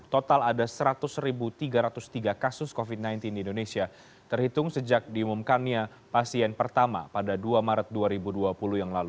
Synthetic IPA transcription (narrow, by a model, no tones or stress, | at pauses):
t̪ot̪aladasəɾat̪ʊsɾibut̪iɡaɾat̪ʊst̪iɡakasʊskofit̪̚najnt̪indiːndonesia | t̪ərhit̪ʊŋsəd͡ʒak̚diumumkanɲa | pasiɛnpərt̪ama̰padaduamaɾət̪̚duaɾibuduapulujaŋlalu